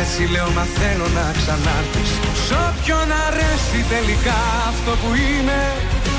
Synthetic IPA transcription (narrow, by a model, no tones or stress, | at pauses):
et͡sile̞o̞nɐθe̞lo̞nɐksɐnɐɾθis | sopço̞nɐɾesit̪e̞likɐːft̪o̞puine̞